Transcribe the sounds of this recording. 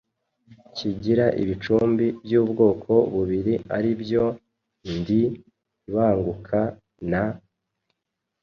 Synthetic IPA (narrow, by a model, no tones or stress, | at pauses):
ciɟiɾaʔḭβit͡ʃuːmbibjuːbɡo̞ːkʰo̞βuβiɾiʔaɾibjo̞ | ndi | βaːŋɡukʰa | na